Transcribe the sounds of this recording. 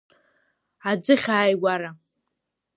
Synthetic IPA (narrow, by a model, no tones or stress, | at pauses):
ad͡zɨχʲaːjɡʷaɾa